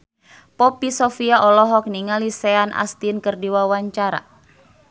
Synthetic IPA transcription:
pɔpisɔfiaʔɔlɔɦɔk̚niŋalisɛanʔa̰st̪inkərdiwawaɲt͡ʃaɾa̰

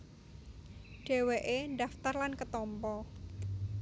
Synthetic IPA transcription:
ɖ̥e̤weʔenɖaft̪arlankət̪ɔmpɔ

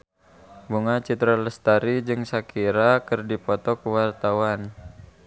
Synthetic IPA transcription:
buŋat͡ʃit̪ɾaləst̪aɾid͡ʒɨŋsakʰiɾakɨrdipɔt̪ɔkuwart̪awan

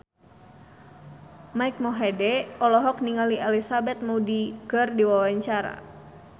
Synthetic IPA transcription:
maik̚mɔɦɛdɛɔlɔɦɔk̚niŋaliʔɛlisabɛt̪̚muudikɨrdiwawaɲt͡ʃaɾa̰

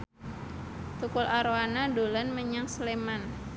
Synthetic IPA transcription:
t̪ukʊlaɾoanadolanməɲaŋsleman

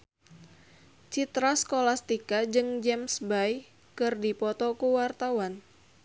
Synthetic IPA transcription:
t͡ʃit̪ɾaskolast̪ikad͡ʒɨŋd͡ʒɛmsbaj | kɨrdipɔt̪ɔkuwart̪awan

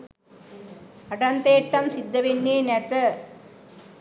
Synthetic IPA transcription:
ɐʈɐnt̪eːʈːɐmsid̪ːɐʋenːeːnet̪ɐ

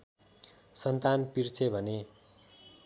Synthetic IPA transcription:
sʌnt̪anpirt͡sʰebʱʌne

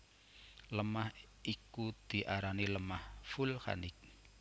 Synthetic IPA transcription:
ləmah | ikud̪̥i̤ʔaɾaniləmahfulha̰nɪk̚

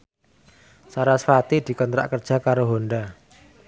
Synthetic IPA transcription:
saɾasfat̪id̪̥i̤kɔnt̪ɾa̰ʔkərd̥ʒ̥a̤kaɾoɦonɖa

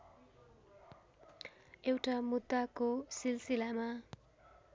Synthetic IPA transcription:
ewʈamud̪ːakosilsilama

